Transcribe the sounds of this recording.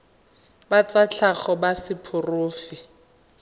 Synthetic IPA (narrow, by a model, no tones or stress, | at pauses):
bat͡sat͡ɬʰaχɔbasɪpʰʊrʊːfɪ